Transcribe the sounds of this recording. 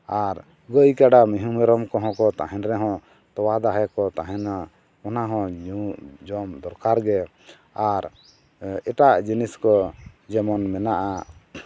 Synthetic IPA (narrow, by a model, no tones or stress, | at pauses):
aɾ | ɡəjkaɖamiɦumɛɾɔmkɔɦɔ̃kɔt̪aɦɛ̃nɾɛɦɔ̃ | t̪ɔwad̪aɦɛkɔt̪aɦɛ̃na | ɔnaɦɔ̃ud͡ʒɔmd̪ɔɾkaɾɡɛ | aɾ | ɛʈaʔd͡ʒiniskɔd͡ʒɛmɔnmɛnaʔa